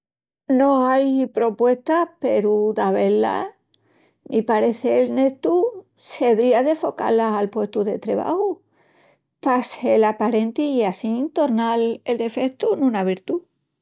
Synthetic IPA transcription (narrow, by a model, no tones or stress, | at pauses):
nõajpɾo̞pwe̞st̪ape̞ɾud̪aβe̞lːa̰ | mʔipaɾe̞θelne̞t̪u | se̞ðɾiaðe̞fo̞ka̰laalpwe̞st̪uðe̞̰t̪ɾe̞̰βa̰hu | paselapaɾe̞nt̪iiasit̪o̞ɾnale̞ld̪e̞fe̞kt̪unũnaβ̞iɾt̪u